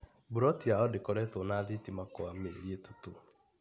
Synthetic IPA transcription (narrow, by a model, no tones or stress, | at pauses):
buɾɔtiaɔdekɔɾɛtonaðetimakoamḛɾieto̥to